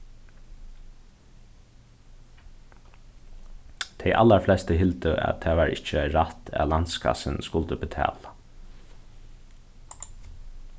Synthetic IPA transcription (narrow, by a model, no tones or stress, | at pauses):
t̪ʰɛjʔa̰lːaɹflɛst̪əɦɪlt̪əʔæ̰t̪ʰːæːʋɑːɹɪ̰t͡ʃəaɪɾat̪æ̰lant̪skʰa̰sɪnskʊlt̪əbɪt̪ʰæ̰ːla